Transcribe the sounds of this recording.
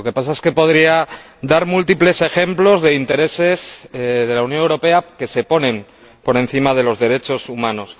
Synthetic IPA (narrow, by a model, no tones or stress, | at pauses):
oke̞pasaeske̞po̞ð̞ɾia | d̪aɾmult̪iple̞se̞xe̞mplo̞zðe̞int̪e̞ɾe̞se̞sð̞e̞lawnjo̞newɾo̞pe̞ake̞se̞po̞nẽ̞m | po̞ɾe̞n̟θimað̞e̞lo̞zðe̞ɾe̞t͡ʃo̞sumãno̞s